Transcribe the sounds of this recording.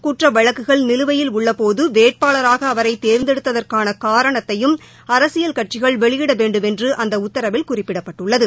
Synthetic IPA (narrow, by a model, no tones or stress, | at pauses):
kuːʈrɐʋɐɻɐkːɯɣɐɭnɪlɯʋɐjɪlʊɭːɐpoːðɯʋeːʈ̚paːlɐɾaːɣɐːʋɐɾɐɪt̪ːeːɾnd̪ɛɽɯt̪ːɐðɐrkaːnɐkaːɾɐɳɐt̪ːɐjɯm | ɐɾɐsɪjɐlkɐʈ̚t͡ʃɪɣɐɭʋɛɭɪjɪɽɐʋeːɳɖɯmɛndrɯʔɐnd̪ɐʊt̪ːɐɾɐʋɪlkʊrɪpːɪɽɐpːɐʈːɯɭːɐðɯ